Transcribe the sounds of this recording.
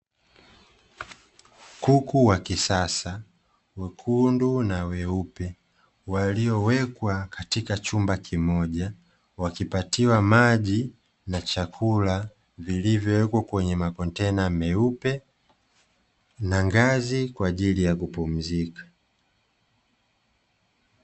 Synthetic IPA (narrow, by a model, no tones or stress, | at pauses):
kukuwakisasa | wɛkʰundunawɛupɛ | waliɔwɛkwakatikat͡ʃumbakʰimɔʄa | wakipatiwamaʄi | nat͡ʃakʰula | vilivjɔwɛkwakwɛɲɛmakɔntɛnamɛupɛ | naŋɡazikwaːʄilijakupum̩zikḁ